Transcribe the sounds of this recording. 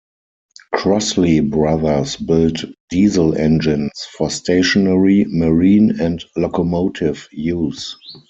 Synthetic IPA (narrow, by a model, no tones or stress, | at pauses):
kʰɹɔslibɹaðə˞sbɪltd̥iːzəlɛ̃nd͡ʒɪ̃nsfɔstʰeɪʃɔnɛɹiməɹĩːnɛ̃ntlɔkɔmoʊtʰɪvjuːs